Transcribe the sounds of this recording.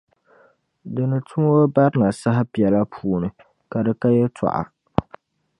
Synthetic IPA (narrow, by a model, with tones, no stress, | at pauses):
dɨ˨nɨ˨tʰʊ˦ŋo˦ba˦ɾɨ˦na˨sa˦ɦa˦pi˨ɛ˨la˦pʰuː˦˨nɨ˨ | ka˨dɨ˨ka˦jɛ˦tʰa̰˨ʔa̰˨